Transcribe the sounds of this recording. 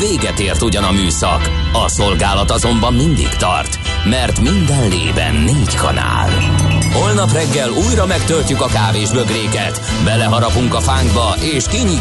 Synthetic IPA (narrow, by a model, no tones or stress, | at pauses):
veːɡɛt̪eːrt̪uɟɒnɒmyːsɒ̰k | ɒso̞lɡaːlɒt̪ɒzo̞mbɒmːind̪ḭkt̪ɒ̰rt̪ | mɛrt̪mind̪ɛnlḛːbɛ̰nːeːckʰɒ̰na̰ːlho̞lnɒprɛɡːɛluːjɾɒmɛkt̪ølcykɒkaːveːʒbø̞ɡreːkɛt̪ | bɛlɛɦɒɾɒpuŋkɒfaːŋɡbɒʔeːʃkiɲi